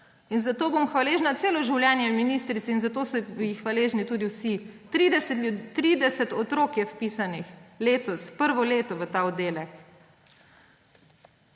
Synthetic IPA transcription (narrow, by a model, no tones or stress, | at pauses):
inzat̪oːbomxʋaleːʒnat̪seːlɔʒiwlʲjɛnjɛminiːst̪ɾit̪siinzat̪oːsɔjixʋaleːʒnit̪uːd̪iwsi | t̪ɾiːd̪ɛsɛt̪ɔt̪ɾoːkjɛfpisanixleːt̪ɔspəɾʋɔleːt̪ɔʋət̪aːɔd̪eːlɛk